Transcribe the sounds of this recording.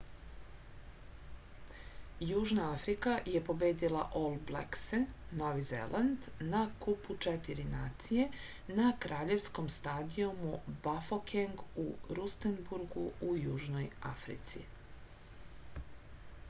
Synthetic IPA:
juːʒnaafɾikaje̞po̞beːd̪ila̰ʔolblḛksenoʋizḛlʔand̪nakuput͡ʃet̪iɾinaːt̪sije̞ | nakɾaːʎe̞ʋsko̞mst̪aːd̪iomubafokʰeŋɡuɾust̪enbuɾɡṵujuːʒnoja̰fɾḭt̪sḭ

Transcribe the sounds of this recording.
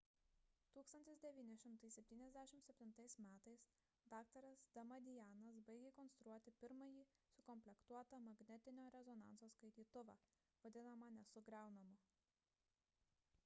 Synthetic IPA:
t̪uːkst̪ɐnʲt̪ʲɪsd̪ʲɛʋʲiːnʲɪʃʲɪmt̪ɐɪsʲɛpʲt̪ʲiːnʲɛzʲd̪ʲæːʃʲɪmt̪sʲɛpʲt̪ʲɪnt̪ɐɪsmʲæːt̪ɐɪs | d̪ɑːk̚t̪ɐɾɐsd̪̥ɐmɐd̪ʲɪjæːnɐsbɐɪɡʲekɔnst̪ɾuɔt̪ʲɪpʲɪɾmɐjiːsʊkɔmʲpʲlʲɛkt̪uɔt̪ɐmɐɡnʲɛt̪ʲɪnʲoːɾʲɛzɔnɑ̰ˑnt̪soːskɐɪt̪ʲiːt̪ʊʋɑ̰ː | ʋɐd̪ʲɪnɐmɐnʲɛsʊɡɾʲæˑʊnɐmʊ

